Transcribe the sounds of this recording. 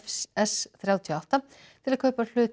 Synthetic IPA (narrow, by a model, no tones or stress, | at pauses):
fɛsθɾjawt̪ʰiawht̪a | t̪ʰɪlaðkʰœːɥpḁl̥ʏːt̪